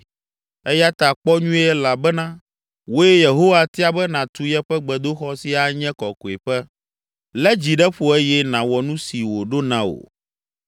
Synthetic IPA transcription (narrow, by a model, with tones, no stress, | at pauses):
ɛ˦ja˦t̪a˨k͡pɔ˦ɲũ˦ɛ˦la˨bɛ˦nã˦ | wo˦jɛ˦je˨ɦo˦wa˦t̪i˦a˦bɛ˦nã˨t̪u˦jɛ˦ɸɛ˦ɡ͡bɛ˨d̪o˦xɔ˦si˦a˨ɲɛ̃˦kɔ˨ko˨e˨ɸɛ˦ | lɛ˦d͡ʑi˨ɖɛ˦ɸo˨e˦jɛ˦nã˨wɔ˨nũ˦si˨wo˨ɖo˦nã˦o̰˨